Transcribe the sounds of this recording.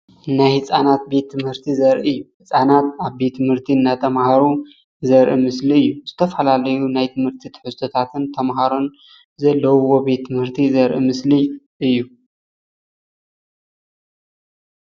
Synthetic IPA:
najhɨt͡sʼanat̪̚be̞t̪ʰːɨmhɨɾt̪ʰizɐɾʔɨɨjːuhɨt͡sʼanat̪aβbe̞t̪ːɨmhɨɾt̪ʰiɨnːat̪ʰɐmhaɾu | zɐɾʔimɨsliɨjːuz̥ɨt̪ʰɐfalalɐjunajt̪ʰɨmhɨɾt̪ʰit̪ʰħɨst̪ʰot̪ʰat̪ʰɨnt̪ʰɐmɦaɾo̞n | zɐlːɐwuwobe̞t̪ʰːɨmhɨɾt̪ʰizɐɾʔḭmɨsli | ʔɨjːu

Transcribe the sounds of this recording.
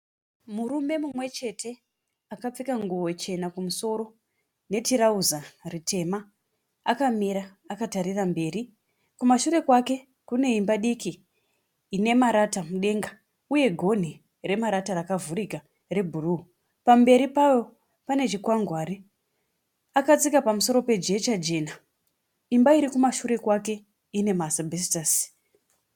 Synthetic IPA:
murume̞mumwe̞t͡ʃe̞tʰe̞ | akap͡fikaŋɡuwo̞t͡ʃe̞nakumuso̞ɾo̞ | ne̞tiɾauzaritʰe̞ma | akamiɾaːkataɾirambe̞ːɾi | kumaʃuɾe̞kwake̞ | kune̞imbaɗikiː | ne̞maɾatamuɗe̞ŋɡa | uje̞ɡʱo̞n̤i | re̞maɾataɾakavuɾika | re̞bʱuru | pambe̞ɾipajo̞ | pane̞t͡ʃikwaŋɡʱwaːɾi | akat͡sikapamuso̞ɾo̞pe̞d͡ʒe̞t͡ʃad͡ʒe̞na | imbaiɾikumaʃuɾe̞kwake̞ | ine̞masabʱestas

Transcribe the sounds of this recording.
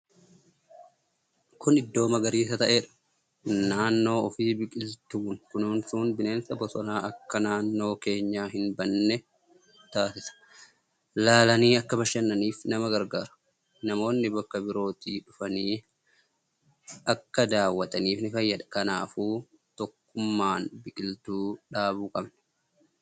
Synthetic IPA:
kʊnɪd̪ːo̞ːmɐɡɐɾiːsɐt̪ɐʔeːᶑɐ̥ | naːnːo̞ːɔfiːbɪkʼɪlt̪uːnkʊnuːnsuːnbɪne̞ːnsɐbɔsɔnaːʔɐkːɐnaːnːo̞ːke̞ːɲːaːɦɪnbɐnːɛ | t̪aːsɪsɐ̥ | laːlɐniːɐkːɐbɐʃɛnːɐniːfnɐmɐɡɐɾɡaːɾɐ̥ | nɐmo̞ːnːɪbɐkːɐbɪɾo̞ːt̪iːᶑʊfɐniː | ɐkːɐd̪aːwːɐt̪ʼɐniːfnɪfɐjːɐᶑ̪ɐ̥kɐna̰ːfuː | t̪ɔkːʊmːaːnbɪkʼɪlt̪uːᶑaːβuːkʼɐbnɛ̥

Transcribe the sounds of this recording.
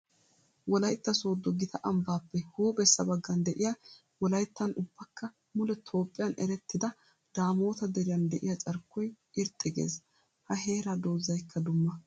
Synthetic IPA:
wɔlɐjt̪ːɐsoːd̪ɔɡɪt̪ʰɐʔɐmbaːpːɛhuːbɛsːɐbɐɡːɐnd̪ɛʔɪja | wɔlɐjt̪ːɐnʊb̥ːɐkːɐ | mʊlɛt̪ʰo̞ːpʼːɪjɐnɛɾɛt̪ːɪd̪ɐ | d̪̥aːmo̞ːt̪ɐd̪ɛɾɪjɐnd̪ɛʔɪjɐt͡sʼɐɾkːɔj | ɪɾt̪ʼːɪɡḛːs | hɐɦe̞ːɾad̪o̞ːzːɐjkʰːɐd̪ʊmːɐ

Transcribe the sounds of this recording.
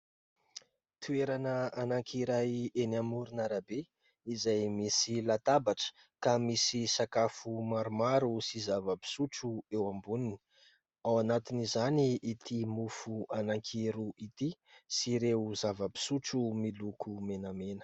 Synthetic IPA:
t̪ʰueɾanəanaŋkʰiɾajenamuɾunaɾabe | izajmisilat̪abaʈ͡ʂə̥ | kamisisakafumaɾumaɾusizavəpi̥suʈ͡ʂuewambunini̥ | awanat̪inizaniːt̪ʰimufuanaŋkʰiɾuʔit̪isiɾezavəbi̥suʈ͡ʂumilukʰumenamenə̥

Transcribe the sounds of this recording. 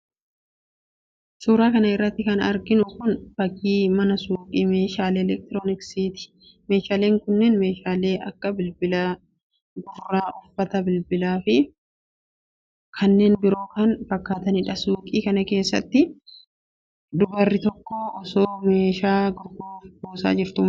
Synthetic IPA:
suːɾaːkɐnɐɪrːɐt̪ːɪkɐnɐ̰ɾɡɪnʊkʊnbɐɡiːmɐnɐsuːkʼiːmeːʃaːleːɛlɛk̚t̪ɪɾoːnɪksiːt̪ɪ̥ | me̞ːʃaːle̞ːŋkʊnːɛnme̞ːʃaːle̞ːʔɐkːɐbɪlbɪlaː | ɡʊrːaːʔʊfːɐt̪ɐbɪlbɪlaːfɪ | kʰɐnːe̞ːnbɪɾo̞ːkɐnfɐkːaːt̪ɐnɪᶑɐsuːkʼiːkɐnɐke̞ːsːɐ̰t̪ːɪ | d̪ʊbɐrːɪt̪ɔkːɔɔsoːme̞ːʃaːɡʊɾɡoːfboːsa̰ːd͡ʒɪɾt̪ʊm

